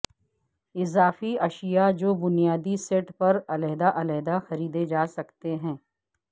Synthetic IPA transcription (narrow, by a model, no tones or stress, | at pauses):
ɪzaːfiɐʃijad͡ʒoːbʊnijaːd̪iseːʈpɐɾɐlɛɦd̪aʔɐlɛːd̪axɐɾiːd̪ed͡ʒaːsɐkt̪eɦɛ̃ː